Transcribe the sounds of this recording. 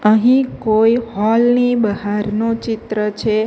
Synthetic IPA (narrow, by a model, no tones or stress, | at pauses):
əɦĩkojihɔlnibəɦaɾnot͡ʃɪt̪ɾət͡ʃʰe